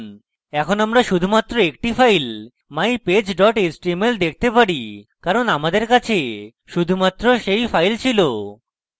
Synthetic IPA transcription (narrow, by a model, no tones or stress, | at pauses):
n | ɛkʰonamɾaʃud̪ʱumat̪ːɾoek̚ʈifajl | majped͡ʑɖɔʈesʈɾimeld̪ek̚ʰt̪epaɽikaɾonamad̪eɾkat͡ɕʰe | ʃud̪ʱumat̪ːɾoʃejfajlt͡ɕʰilo